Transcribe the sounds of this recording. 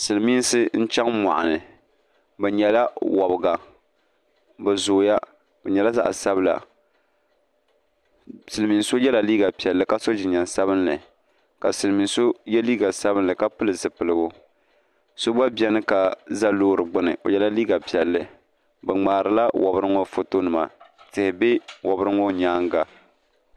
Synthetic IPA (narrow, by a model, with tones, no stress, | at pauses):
sɨ˨lmiː˦n˦sɨ˦n̩˦t͡ʃɛ˦ŋma̰˨ʔa̰˨nɨ˨ | bɛ˨ɲɛ˨la˦wɔ˨bɨ˨ɡa˨ | bɨ˨zoː˨ja˦ | b̥ɛ˨ɲɛ˨la˦za̰˦ʔsa˦bɨ˦la̰˨ | sɨ˨lɨ˨mi˨nso˦jɛ˦la˨liː˦ɡa˨pi˨ɛ˨lːɨ˦ka˦so˦d͡ʒɪ˨ɲa˨nsa˦βɨ˦nlɨ̰˨ | ka˨sɨ˨mi˨so˦jɛ˦liː˦ɡa˨sa˦bɨ˦nlɨ˨ka˦pɨ˦lɨ˨zɨ˨pɨ˨lɨ˨ɡʊ˦ | so˦ba˦bi˦ɛ˦nɨ˦ka˨za˦loː˦ɾɨ˨ɡ͡bʊ˦nɨ̰˨ʔo̰˨jɛ˦la˦liː˦ɡa˨pi˨ɛ˨lːɨ˦ | bɨ˨ŋ͡maː˨ɾɨ˨la˦wʔɔ˨bɨ˦ɾɨ˦ŋɔ˦fo˦to˦nɨ˨ma̰˨tɪ˨hɪ˨bɪ˦wʔɔ˨bɨ˦ɾɨ˦ŋɔ˦ɲaː˦ŋɡa˨